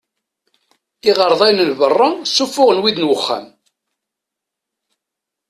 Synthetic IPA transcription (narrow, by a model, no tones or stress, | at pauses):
θiʁəɾˤðˤɑjnənvərˤːɑsufːʊʁnwiðnwəχːæ̰m